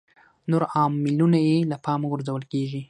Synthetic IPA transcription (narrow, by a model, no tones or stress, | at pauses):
noɾɑmːɪlunajelapʰɑmaɡʊɾzawəlkeʒi